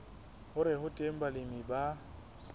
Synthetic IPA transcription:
hʊɾɪhʊtʼem̩balɪmiba

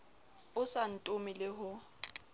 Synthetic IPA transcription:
ʊsan̩tʼʊmɪlɪɦʊ

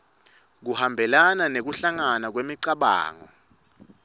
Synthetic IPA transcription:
k̬uhambʱɛlananek̬uɬaŋanak̬wemiǀaɓa̰ːŋɔ̰

